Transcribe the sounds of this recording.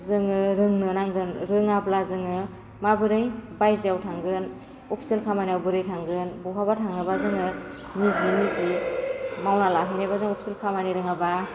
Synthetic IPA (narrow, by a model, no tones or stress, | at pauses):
zɯŋɯɾɯŋnɯnaŋɡɯnɾɯŋablazɯŋɯ | mabɯɾɯjbajzijawtʰaŋɡɯn | ɔpʰselkʰamanijawbɯɾɯjtʰaŋɡɯnbuɦabatʰaŋnɯbazɯŋɯ | nizinizi | mawnalaɦɯnajbazɯŋɔpʰselkʰamaniɾɯŋaba